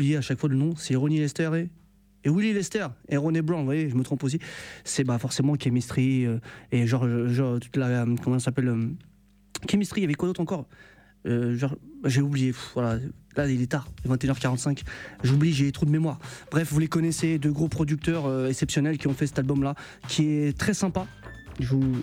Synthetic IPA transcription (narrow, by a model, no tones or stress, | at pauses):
blijeaʃakfwadlənɔ̃sɛʁɔnilɛst̪ɛʁeː | wililɛst̪ɛʁeʁɔneblɑ̃vwajeʒəmət̪χɔ̃pos̬isɛbafɔʁsemɑ̃kʲɛmist̪χiøeʒɑ̃ʁøʒɑ̃ʁt̪u̥t̪lamkɔm̃sapɛlø | kʲɛmist̪χijavɛkwad̪ot̪χɑ̃kɔʁ | øʒɑʁʒeublijefuvwalalailɛt̪aʁəvɛ̃t̪eynœʁkaʁɑ̃t̪sɛ̃kʒubliʒet̪χod̪əmemwaʁbʁɛfvulekɔnesed̪øɡʁopχɔd̪yk̚t̪œʁøɛksɛpsjɔnɛlkʲiɔ̃fɛsɛ̥t̪albɔmla | kʲʰiɛt̪χɛsɛ̃pa | ʒu